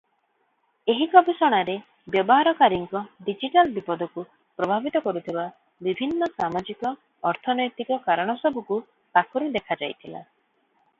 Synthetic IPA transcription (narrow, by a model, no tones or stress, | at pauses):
eɦikɔbisɔɽ̃aɾe | bjɔbɔɦaɾɔkaɾiŋkɔɖid͡ʒiʈalbipɔd̪ʱɔku | pɾɔbʱabit̪ɔkɔɾut̪ʰiba | bibʱinːɔsamad͡ʒikɔː | ɾt̪ʰɔnɔjt̪ikɔkaɾɔɽ̃ɔsɔbuku | pakɔɾid̪ekʰad͡ʒajt̪ʰila̰